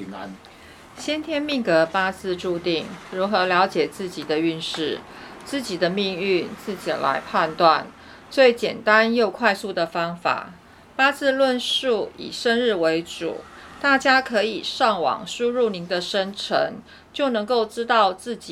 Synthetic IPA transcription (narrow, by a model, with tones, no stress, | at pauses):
ŋ˦n | ɕjɛ˥nt̪ʰjɛ˥nmi˥˩ŋkɤ˧˥pa˥t͡sɹ̩˥˧ʈ͡ʂu˥˧t̪i˥˩ŋɻu˧˥xɤ˧˦˥ljɑ˧˥ʊt͡ɕjɛ˨˩t͡sɹ̩˥˩t͡ɕi˨˩d̪ə˦y˥˧nʂɻ̩˥˩t͡sɹ̩˥˩t͡ɕi˨˩d̪ə˦mi˥˧ŋy˥˧nt͡sɹ̩˥˩t͡ɕḭ˨˩la̰˧˥ɪpʰa˥˧nt̪wa˥˩n | t͡swe˥˩ɪt͡ɕjɛ˨˩nt̪a˦˥njo˥˧ʊkʰwa˥˧ɪsu˥˩d̪ə˩fɑ˥ŋfa̰˨˩ | pa˥t͡sɹ̩˥˧lwə˥˧nʂu˥˩ḭ˨˩ʂə˥nɻɻ̩˥˩we˧˥ɪʈ͡ʂṵ˨˩˦t̪a˥˩t͡ɕja˥kʰɤ˧˥i˨˩ʂɑ˥˩ŋwɑ̰˨˩ŋʂu˥ɻu˥˩ni˧˥ŋd̪ə˧ʂə˥nʈ͡ʂʰə̰˧˦ŋ | t͡ɕjo˥˩ʊnɤ˧˥ŋko˥˩ʊʈ͡ʂɻ̩˥t̪ɑ˥˧ʊt͡sɹ̩˥˩t͡ɕi˨